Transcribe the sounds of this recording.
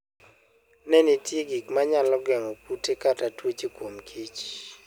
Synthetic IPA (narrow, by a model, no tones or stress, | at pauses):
nɛnitjeɡikmaɲalɔɡɛŋɔkutekatatwot͡ʃekwomkʰit͡ʃ